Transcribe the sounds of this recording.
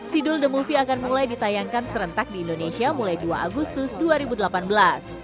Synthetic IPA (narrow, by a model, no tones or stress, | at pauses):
sidʊldəmulfiakanmulajdit̪ajaŋkansəɾənt̪ak̚diːndonesiamulajduaʔaɡust̪ʊsduaɾibudəlapanbəlas